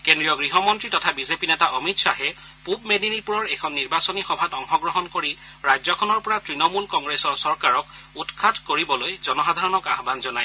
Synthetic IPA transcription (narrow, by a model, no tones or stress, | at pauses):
kendɹijɔɡɹiɦɔmɔntɹitɔtʰabizepinɛtaʔɔmitsaɦɛ | pubmedinipuɹɔɹɛkʰɔnːiɹbasɔnixɔbʱatɔŋxɔɡɹɔɦɔnkoɹi | ɹajzɔkʰɔnɔɹpɔɹatɹinɔmulkɔŋɡɹesɔɹsɔɹkaɹɔkutkʰadkoɹibɔlojzɔnɔsadʱaɹɔnɔkaxbanzɔnaj